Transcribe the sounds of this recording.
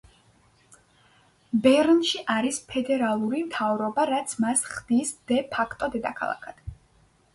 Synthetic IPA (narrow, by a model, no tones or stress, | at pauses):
bɛɾnʃiʔaɾispʰɛd̪ɛɾalˠuɾimt̪ʰavɾɔbaɾat̪sʰmasχd̪̥isd̪̥ɛpʰakʰt̪ʼɔd̪ɛd̪akʰa̰lˠa̰kʰad̪̥